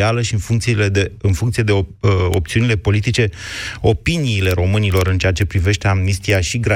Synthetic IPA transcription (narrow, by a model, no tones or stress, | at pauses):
aləʃiɨnfuŋkt̪siiled̪eɨnfuŋkt̪sije̞d̪eoop̚t̪siunile̞po̞lit̪it͡ʃe̞o̞piniːle̞ɾo̞mɨnilo̞ɾɨnt͡ʃe̞at͡ʃe̞pɾive̞ʃt̪e̞amnist̪iaʃiɡɾa